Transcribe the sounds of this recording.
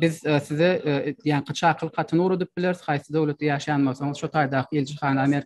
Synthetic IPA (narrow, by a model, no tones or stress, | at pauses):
bɪðsɪðed̪ijæŋqʰɨt͡ʃʰɑːqʰɯlˠqʰɑt̪ʰɯnuːɾod̪ɯp̚bɪleɾz̥χɑjsɨd̪øwlʲˠet̪̚d̪ejɑːʃɑjɑnmoθoŋɨzʃot̪ʰɑːjd̪ɑːqʰɨilʲd͡ʒɪχɑːnɑmeɾ